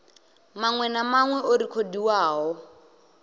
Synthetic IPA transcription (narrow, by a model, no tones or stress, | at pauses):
maŋwɛnamaŋwɛoɾikʰodiwaːɦɔ